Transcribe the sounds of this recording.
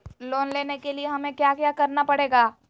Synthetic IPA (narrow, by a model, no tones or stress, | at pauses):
loːnleːnekelieɦɐmẽkjaːkjaːkɐɾnapɐɽeːɡaː